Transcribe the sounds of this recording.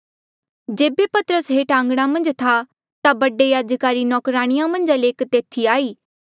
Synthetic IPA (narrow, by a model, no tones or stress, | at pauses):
d͡ʒeːbepɐt̪əɾəsɦeʈãːŋɡɽ̃amɐ̃nd͡ʒt̪ʰa | t̪abɐɖejaːd͡ʒkaːɾinɔːkɾaːɽ̃ɪjãmɐ̃nd͡ʒəleːkt̪eːt̪ʰiaːiː